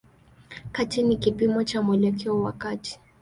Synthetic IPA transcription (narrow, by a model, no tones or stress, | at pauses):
katinikipimɔt͡ʃamwɛlɛkɛɔwakati̥